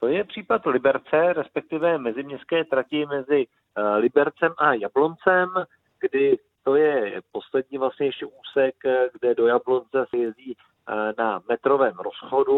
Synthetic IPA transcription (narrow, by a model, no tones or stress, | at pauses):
t̪o̞jɛpr̝̥iːpat̪lɪbɛɾt͡sɛɾɛspɛk̚t̪ɪvɛmɛzɪmɲɛst̪̚kɛːt̪ɾacɪmɛzɪ | lɪbɛɾt͡sɛmʔajablo̞nt͡sɛm | ɡ̥dɪ | t̪o̞jɛpo̞slɛd̚ɲiːvlasɲɛjɛʃcɛʔuːsɛkɡdɛdo̞jablo̞nt͡sɛsɛjɛziː | namɛt̪ɾo̞vɛːmɾo̞sxo̞du